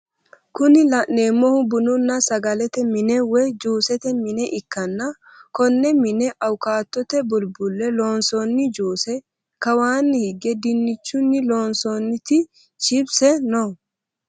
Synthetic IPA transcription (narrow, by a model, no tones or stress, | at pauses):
kʊnɪlɐʔneːmːɔhʊbʊnʊnːɐsɐɡɐlɛt̪ɛmɪnɛwɛd͡ʒuːsɛt̪ɛmɪnɛʔɪkːɐnːɐ | kɔnːɛmɪnɛʔɐwkaːt̪ːɔt̪ɛbʊlbʊlːɛloːnsonːɪd͡ʒuːsɛ | kɐwaːnːɪhɪɡːɛd̪ɪnːɪt͡ʃːʊnːɪloːnsonːɪt̪ɪ | t͡ʃɪbsɛnɔ